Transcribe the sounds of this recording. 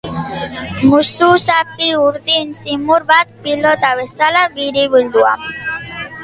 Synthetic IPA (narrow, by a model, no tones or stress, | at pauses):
mususapiuɾðinsimuɾbat̪̚pilot̪aβesalaβiɾiβild̪ua̰m